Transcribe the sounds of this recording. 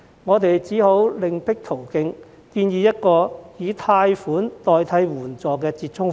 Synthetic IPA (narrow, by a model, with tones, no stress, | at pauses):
ŋɔː˨˧t̪e˨jt͡siː˨˥ho˨˥wlɪ˨ŋpɪ˥k̚t̪ʰo˨˩wkɪ˧ŋ | kiː˧njiː˨˧jɐ˥t̚kɔː˧jiː˨˧t̪ʰaː˧jfuː˨˥nt̪ɔː˨jt̪ʰɐ˨˥jwuː˨˩nt͡sɔː˨˩kɛː˧t͡siː˧t̚t͡ʃʰʊ˥ŋ